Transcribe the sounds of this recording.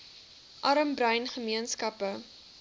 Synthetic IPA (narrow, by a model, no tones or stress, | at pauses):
ʔɐɾəmbrɐjnχəmiənskɐpə